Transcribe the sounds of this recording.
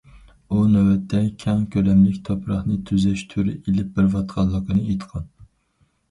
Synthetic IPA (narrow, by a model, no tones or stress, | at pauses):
unɛwɛt̪ʰːɛkʲʰɛŋkʲʰøɾɛmlɪkʲt̪ʰopʰɾɑχnɨt̪ʰyzɛʃt̪ʰuɾɪ̰ʔelɪp̚bɪɾvɑt̪qʰɑlˠːəqənɨejt̪ʰqʰɑn